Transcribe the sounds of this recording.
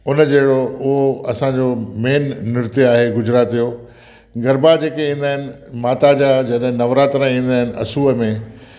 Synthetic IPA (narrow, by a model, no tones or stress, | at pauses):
ʊnəd͡ʑeːɦɪɽoʊɦoɐsãd͡ʑomeːnːʊɾt̪iaːɦeɡʊd͡ʑɾaːt̪ijo | ɡɐɾbad͡ʑeːkeĩːn̆d̪aːɦɪnɪ̆maːt̪ad͡ʑaːd͡ʑɐɗɦɪ̃nɐʋɾaːt̪ɾãĩːn̆d̪aːɦɪnɪ̆ʔɐ̰suːəmẽ